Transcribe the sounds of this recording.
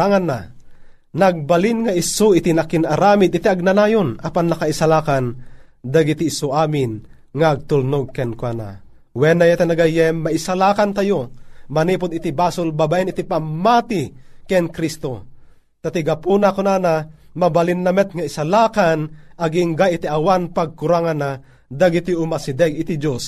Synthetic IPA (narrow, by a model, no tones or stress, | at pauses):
aŋanːa | naɡ̚balinŋaɪsuɪt̪inakɪnʔaɾaːmid̪ɪt̪iaɡ̚nanaːjonapanːakaisalaːkand̪aɡit̪iːsʊʔaːmɪn | ŋaːɡ̚t̪ulnoɡ̚kɛnkwana̰ | wɛnajat̪anaɡajɛːaisalaːkant̪ajomaniːpʊd̪it̪ibaːsʊlbabaʔɛnit̪ipamːat̪ikɛnkɾist̪o | t̪at̪iɡapunakonana | mabalinːɐmɛt̪̚ŋaɪsalaːkanaɡiŋɡajit̪iʔawanpaɡ̚kuɾaŋanːa | d̪aɡit̪iʊmasid̪ɛɡɪt̪id͡ʒos